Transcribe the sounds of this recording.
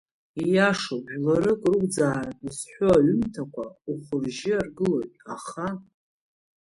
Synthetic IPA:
ijaʂobʒᶣlaɾɨkʼrɨɡʷd͡zaːraɨsħʷᶣoaɥʏmtʰakʷʰauχʷʊrʒɪarɡɨlojtʼaχa

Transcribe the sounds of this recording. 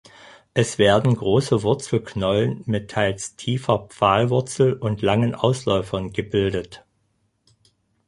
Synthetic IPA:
ʔɛsv̥eːɐdn̩ɡʁoːsəvʊɐt͡sl̩knɔlənmɪtʰaɪlstʰiːfɐpp͡faːlvʊɐt͡sl̩ʊntlaŋənʔa̰ʊslɔʏfɐnɡəbɪldət

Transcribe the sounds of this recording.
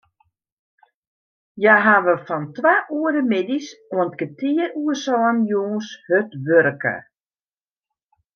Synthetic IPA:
jaɦaʋəfɔntʋaʔuəɾəmɪdisoənt̚ɡətiəɾuəsɔːənjoːnshøtʋøɾkə̰

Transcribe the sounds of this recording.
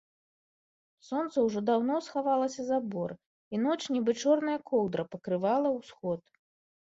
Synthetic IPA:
sɔnt̪sɐwʐɔd̪awn̪ɔsxavalˠɐsʲɐzabɔr | in̪ɔt͡ʂnʲɛbɨt͡ʂɔrnɐjɐkɔwd̪ɾɐpɐkɾɨvalˠɐwsxɔt̪̚

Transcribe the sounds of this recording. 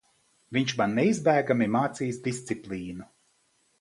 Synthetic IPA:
viɲt͡ʃbanːeizbæːɡamimaːt̪siːsd̪ist̪sipliːnu

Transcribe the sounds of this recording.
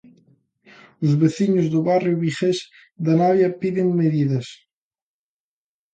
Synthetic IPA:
ʊzβeθiɲʊzðʊβarjʊβiχes | d̪ɐnaβjɐpiðɪŋmeðiðɐs

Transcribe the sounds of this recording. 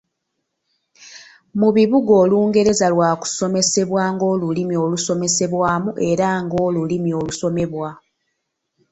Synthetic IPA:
muβiβuɡo̞ːluːŋɡe̞ɾe̞zalwaːku̥so̞me̞se̞βwaːŋɡo̞ːlulimio̞ːluso̞me̞se̞βwaːmuʔe̞ɾaŋɡo̞ːlulimio̞ːluso̞me̞βwa

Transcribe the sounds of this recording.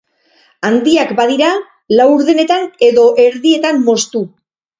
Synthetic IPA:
and̪iakbað̞iɾa | lawuɾðe̞ne̞t̪ane̞ðo̞ʔe̞ɾðie̞t̪amːo̞st̪u

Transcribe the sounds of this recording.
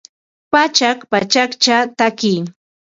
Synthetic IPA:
pat͡ʃakpat͡ʃakt͡ʃat̪akɪj

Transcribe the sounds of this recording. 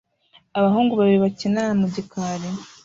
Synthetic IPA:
aβaɦuːŋɡuβaβiβacinanamuɟikaɾe

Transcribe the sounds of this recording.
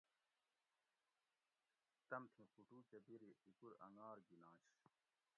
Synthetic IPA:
t̪ɐmt̪ʰĩxuʈuːt͡ɕɐbiɾiikuɾɐ̰ŋɡaːɾɡinãːɕ

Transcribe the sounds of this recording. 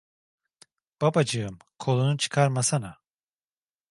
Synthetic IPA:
b̥abad͡ʒɯɯm | kʰo̞lˠunut͡ʃʰɯ̥kʰaɾmasana

